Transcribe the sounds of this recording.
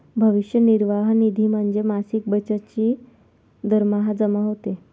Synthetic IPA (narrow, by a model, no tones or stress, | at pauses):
bʱəʋiʂjəniɾʋaɦnid̪ʱiːm̤əɳd͡zemasiːk̚bət͡ɕat͡ɕiː | d̪əɾmaɦad͡zəmaɦot̪e